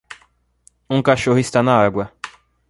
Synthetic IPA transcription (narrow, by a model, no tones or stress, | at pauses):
uŋkaʃɔhist̪anaɡwɛ